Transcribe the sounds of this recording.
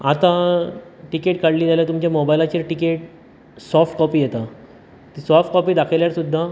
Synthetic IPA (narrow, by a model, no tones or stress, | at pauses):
at̪a | ʈikeʈkaɽliːd͡zaljat̪umt͡ɕjamobajlat͡ɕiːɾʈikeʈ̚ | sɔɾfʈkɔpiːjet̪a | t̪iːsɔɾfʈ̚kɔpiːd̪akʰeljaɾsud̪ʱːa